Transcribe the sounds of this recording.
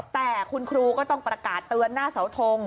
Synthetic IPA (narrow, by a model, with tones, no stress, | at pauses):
t̪ɛː˨˩kʰu˧nkʰɾuː˧kɔː˥˩t̪ɔ˥˩ŋpɾa˧kaː˨˩t̪ːɯ˧ənːaː˥˩sa˩˦wt̪ʰo˧ŋ